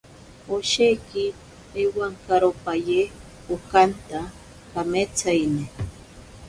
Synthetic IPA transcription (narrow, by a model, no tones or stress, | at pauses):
oʃejkɪ | ewaŋkaɾopaje | ukant̪a | kamet͡sajnɪ